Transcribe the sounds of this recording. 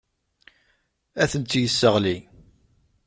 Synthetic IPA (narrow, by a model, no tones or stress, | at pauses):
æθənt̪ːjəsːəʁli